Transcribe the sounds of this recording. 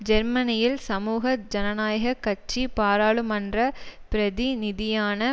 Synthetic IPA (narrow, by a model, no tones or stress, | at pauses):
d͡ʒɛɾmɐnɪjɪlsɐmuːɣɐd͡ʒɐnɐnaːjɐɣɐkːɐt͡ʃːipaːɾaːɭɯmɐndrɐpɪɾɐðinɪðɪjaːnɐ